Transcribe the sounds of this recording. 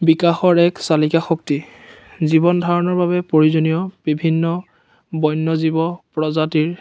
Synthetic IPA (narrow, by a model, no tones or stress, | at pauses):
bikaxɔɹɛksalikaxok̚ti | zibɔndʱaɹɔnɔɹbaβɛpoɹizonijɔb̥ibʱinːɔ | bɔjnːɔzibɔpɹɔzatiɹ